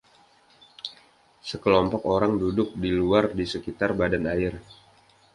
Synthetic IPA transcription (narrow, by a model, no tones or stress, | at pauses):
səkəlɔmpɔkoɾaŋdudʊk̚diluardisəkit̪arbadanaɪr